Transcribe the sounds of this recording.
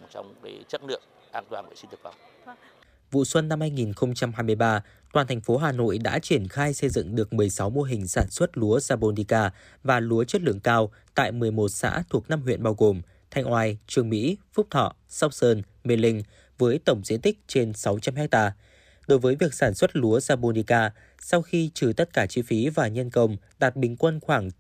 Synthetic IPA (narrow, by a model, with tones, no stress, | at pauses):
t͡ɕɔ̰˧wŋ͡mka˨˦t͡ɕə˦˥t̚lɨ̰˧˨əŋ̚ | ʔaː˧˩nt̪waː˨˩ə̰˧˨si˧nt̪kfa˨˧˩wŋ͡m | vṵ˧˨swə˧nːa˧mhaː˧jŋi˨˩nxə˧wŋ͡mt͡ɕa˧mɦaː˧jm˧əjɓaː˧ | t̪waː˨˩nt̪ʰɛ˨˩ŋ̟fo˨˦ɦaː˨˩no̰˧˨jɗa̰ː˧˥t͡ɕi˧˩ənxaː˧jsə˧jzɨ̰˧˨ŋɗɨ˨˩ək̚mɨ˨˩əjsa˨˦wmo˧əɦï˨˩ŋ̟saː˧˩nswə˦˥t̚lu˨˦əzaː˧ɓo˧ni˧kaː˧ | vaː˨˩lu˨˦ət͡ɕə˦˥t̚lɨ̰˧˨əŋkaː˧w | t̪a̰ː˧˨jmɨ˨˩əjmo˨˩t̚sa̰ː˧˥t̪ʰu˨˩ək̚na˧mɦwḭ˧˨ənɓaː˧wɣo˨˩m | t̪ʰa˧jŋ̟ʔwaː˧jt͡ɕɨ˨˧˩əŋmḭ˧˥fʊ˦˥k͡p̚t̪ʰɔ̰˧˨ | sɔ˦˥p̚səː˧n | mi˧lï˧ŋ̟ | vəː˨˦jt̪ə˧˩wŋ͡mzḭ˧˥ənt̪ï˦˥k̟̚t͡ɕe˧nsa˨˦wt͡ɕa˧mhɛ˦˥k̚t̪aː˧ | ɗo˨˦jvəː˨˦jvi˨˩ək̚saː˧˩nswə˦˥t̚lu˨˦əzaː˧ɓo˧ni˧kaː˧ | sa˧wxi˧t͡ɕɨ˨˩t̪ə˦˥t̚kaː˧˩t͡ɕi˧fi˨˦vaː˨˩ɲə˧nkə˧wŋ͡m | ɗa˨˩t̚ɓï˨˩ŋ̟kwə˧nxwaː˧˩ŋ